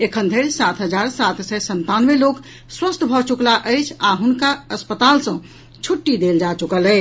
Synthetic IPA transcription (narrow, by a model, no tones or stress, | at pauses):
ekʰənd̪ʱelsat̪ʰɦəd͡ʒaɾsat̪ʰsɛsənt̪anʋelok | swəst̪bʱɔt͡ʃuklaʔəjt͡ʃʰaɦunkaəspət̪alsə̃ | t͡ʃʰuʈːid̪eld͡ʒat͡ʃukəlɛ